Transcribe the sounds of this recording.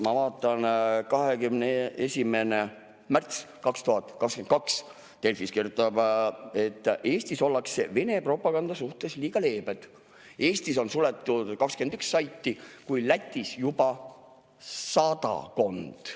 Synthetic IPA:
mɑvɑːt̪ːˑɑnkɑɦe̞kymneesʲime̞ne̞ | mært̪s | kɑkst̪uɦɑt̪ːˑkɑkskenkɑks | t̪e̞lfiskirjut̪ːˑɑb̥e̞t̪ːʔe̞ːst̪iso̞lːɑkse̞̰ve̞ne̞pro̞pːˑɑɡ̥ɑnd̪̥ɑsuht̪e̞sliːɡ̥ɑle̞ːbed̪̥ | e̞ːst̪iso̞nsule̞t̪ːud̪̥kɑkskend̪̥yksːɑjt̪ːikujlæt̪ʲˑːisjub̥ɑ | sɑd̪ɑ̰ko̞nd̪̥

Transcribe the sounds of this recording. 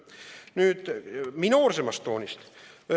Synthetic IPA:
nyːt̪minoːrsemɑst̪ːoːnʲist̪

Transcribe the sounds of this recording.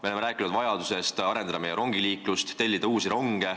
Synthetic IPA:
me̞ole̞meɾæːkːˑinud̪vɑjɑd̪use̞st̪ɑɾenɑd̪ɑme̞jeɾo̞ŋɡ̥iliːklust̪ːe̞lʲːid̪̥ɑuːsiɾo̞ŋɡ̥e

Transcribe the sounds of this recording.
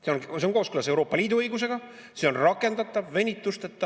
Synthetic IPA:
seonse̞o̞nko̞ːskylɑse̞wɾo̞ːpːˑɑliːd̪̥uɤjɡus̬e̞ɡ̥ɑ | se̞o̞nrɑkːˑe̞nd̪̥ɑt̪ːˑɑvːe̞nʲit̪ːˑust̪et̪ːˑɑ

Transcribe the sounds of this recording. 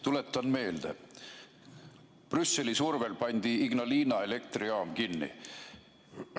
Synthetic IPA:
t̪ule̞t̪ˑːɑnme̞ːld̪̥e | prysːe̞lisurve̞lpɑnʲd̪̥iiɡnɑliːnɑe̞le̞k̚t̪riɑːmkinːḭ

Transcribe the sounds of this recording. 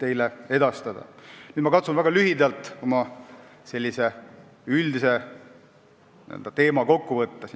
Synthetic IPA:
t̪e̞jlee̞d̪̥ɑst̪ɑd̪̥ɑ̰ny̥ːmɑkɑt̪sunvæɡ̥ɑlyɦid̪ɑlt̪ˑo̞mɑse̞lʲːise̞ | yld̪ise̞ | niḛld̪ɑt̪e̞ːmɑko̞kːuvɤt̪ːɑs

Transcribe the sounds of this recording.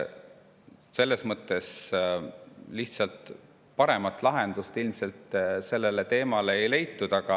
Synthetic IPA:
se̞lːe̞smɤt̪ːˑe̞s | liht̪sɑlt̪ˑ | pɑɾe̞mɑt̪ːˑlɑɦend̪̥ust̪ilmse̞lt̪se̞lːe̞le̞t̪e̞ːmɑleejle̞jt̪ːud̪̥ɑɡ̥ɑ

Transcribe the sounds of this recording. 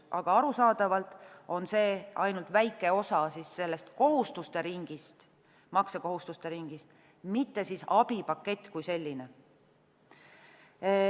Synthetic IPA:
ɑɡ̥ɑɑɾusɑːd̪̥ɑvɑlt̪ˑo̞nse̞ːɑjnult̪væjkːˑe̞o̞sɑsisːe̞lːe̞st̪ko̞ɦust̪ust̪e̞ɾiŋɡ̥ist̪ | mɑkseko̞ɦust̪ust̪e̞ɾiŋɡ̥ist̪ | mit̪ːe̞sisɑb̥ipɑkːe̞t̪ːˑkujse̞lʲːine

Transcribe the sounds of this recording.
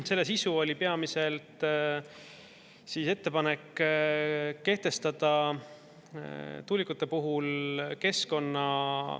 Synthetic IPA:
se̞lːe̞sisuo̞lʲipeɑmise̞lt̪ | sise̞t̪ːe̞pɑne̞kː | kːe̞ht̪e̞st̪ɑd̪̥ɑ | t̪ulʲikut̪ːˑepuɦulke̞sko̞nːɑ

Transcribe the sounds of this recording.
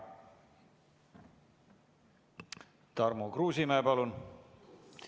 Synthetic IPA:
t̪ɑrmukruːsimæepɑlun

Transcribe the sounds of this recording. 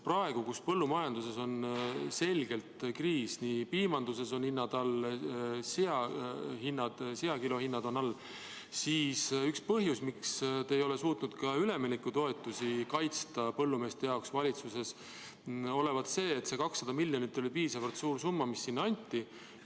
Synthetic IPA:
prɑe̞ɡ̥ukuspɤ̞lːumɑjɑnd̪use̞so̞nse̞lʲɡe̞lt̪kriːsnipiːmɑnd̪use̞so̞nhinːɑd̪ɑl | seɑhinːɑd̪̥seɑkilo̞hinːɑd̪̥o̞nɑlː | siːsykspɤɦjusmikst̪eːjo̞le̞suːt̪nud̪̥kɑyle̞minikːˑut̪o̞e̞t̪ːˑusikɑjt̪st̪ɑpɤlːume̞ːst̪e̞jɑoksvɑlʲit̪suse̞s | o̞le̞vɑt̪se̞ːt̪se̞kɑksːɑd̪ɑmilʲjonit̪ːˑo̞lʲipiːsɑvɑlt̪suːɾsumːɑmisːinːɑnʲt̪ʲːi

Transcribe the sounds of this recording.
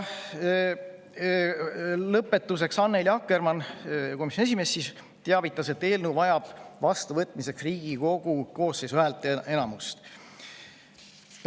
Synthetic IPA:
lɤpːe̞t̪ːˑuse̞ksɑnːeljɑkːermɑnko̞misjoes̬ime̞ːsːis | t̪eɑvit̪ːˑɑse̞t̪ːe̞ːlnuvɑjɑb̥vɑst̪uvɤt̪ːˑmise̞ksriːɡ̥iko̞ɡ̥uko̞ːsejsoælt̪ːˑe̞nɑmust̪

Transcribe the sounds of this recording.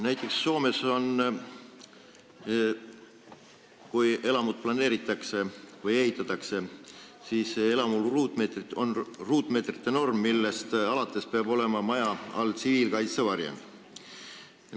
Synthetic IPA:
næjt̪ːˑe̞ksːo̞ːme̞so̞n | kuje̞lɑmud̪̥̚plɑne̞ːɾit̪ːˑɑkse̞vɤje̞ɦit̪ːˑɑt̪ːˑɑkse̞siːse̞lɑmulruːt̪ˑmet̪rio̞nruːt̪ˑme̞ːt̪rit̪ːˑe̞no̞rmːilːe̞st̪ɑlɑt̪ːˑe̞speɑb̥o̞le̞mɑmɑjɑɑlsiviːlkɑjt̪sevɑɾjḛnd̪̥

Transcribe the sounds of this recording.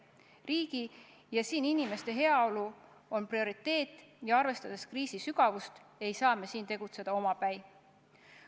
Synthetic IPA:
riːɡ̥i | jɑsiːninime̞st̪e̞ɦe̞ɑo̞lu | o̞nprio̞ɾit̪ːˑe̞ːt̪ːˑjɑɑrve̞st̪ɑd̪̥eskriːsisyɡ̥ɑvust̪e̞jsɑːme̞siːnt̪e̞ɡ̥ut̪se̞d̪̥ɑo̞mɑpæj

